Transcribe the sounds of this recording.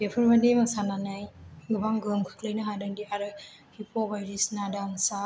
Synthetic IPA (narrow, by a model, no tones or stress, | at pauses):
bepʰɯɾmademasananajɡɯbaŋɡɯmkʰɯ̥k̚ləjnɯɦadɯŋdiaɾɯ | hipʰɔbajɾisnadaŋsa